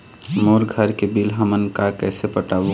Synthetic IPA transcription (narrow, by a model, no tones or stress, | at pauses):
moːɾɡʱəɾkebilɦəmənkakɛːsepəʈaːʋo